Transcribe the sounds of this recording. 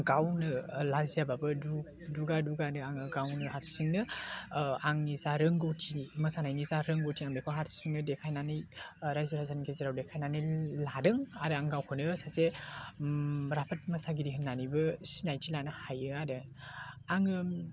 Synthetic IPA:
ɡawnɯlazijababɯdu | duɡaduɡanɯaŋɯɡawnɯhaɾsiŋnɯ | aŋnizaɾɯŋɡotʰimɯsanajnizaɾɯŋɡowtʰiaŋbekʰoɦaɾsiŋnɯdekʰajnanɯjɾajzaɾhazaninkʰezeɾawdekʰajnanɯjladɯŋaɾɯaŋɡawkʰɯnɯsase | ɾapʰɯt̚mɐsaɡiɾiɦɯnːanibɯsinajtʰilanɯhajɯadɯ | aŋɯ

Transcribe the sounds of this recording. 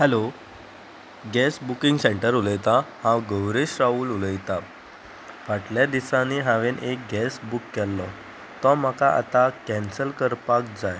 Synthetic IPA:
hɛlo | ɡɛsbukĩŋɡseɳʈəɾuləjt̪ahãwɡəwɾeɕɾauːluləjt̪a | ʋaʈljad̪isaniɦaʋenʔek̚ɡɛsbukːɛlːɔ | t̪ɔm̤əkaʔa̰t̪akɛnsəlkəɾpak̚d͡zaj

